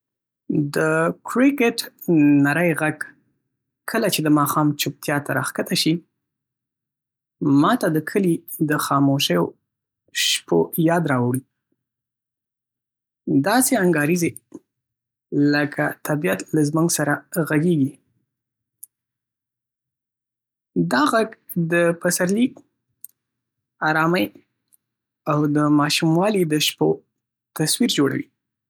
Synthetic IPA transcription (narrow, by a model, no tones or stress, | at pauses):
d̪əkɾɪkɪʈ | naɾəjɣaɡ | kʰəlat͡ʃed̪əmɑxɑmt͡ʃʊp̚t̪jɑt̪aɾɑ̰xkat̪aʃi | mɑt̪ad̪əkʰəlid̪əxɑmoʃəjo | ʃpojɑd̪ɾɑwɽi | d̪ɑseaŋɡɑɾize | ləkʰat̪ʰabijat̪lazmuŋɡsaɾaɣaɡeɡi | d̪ɑɣaɡ | d̪əpasaɾliɡ | ɑɾɑməj | awd̪əmɑʃumwɑlid̪əʃpo | t̪aswiɾd͡ʒoɽa̰wi